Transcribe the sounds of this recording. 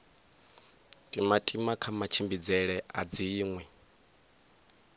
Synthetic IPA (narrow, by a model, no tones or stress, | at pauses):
tʼimatʼimakʰamat͡ʃʰimbid͡zɛɺɛad͡ziːŋwɛ